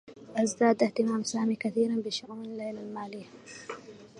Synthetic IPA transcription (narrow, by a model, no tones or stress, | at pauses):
ʔazd̪aːd̪ʔɪht̪ɪmaːmsaːmiːkaθiːɾanbɪʃʊʔuːnalːejlalmaːlijːa